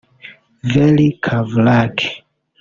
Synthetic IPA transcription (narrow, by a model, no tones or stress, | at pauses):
vɛlikʰavlakʰ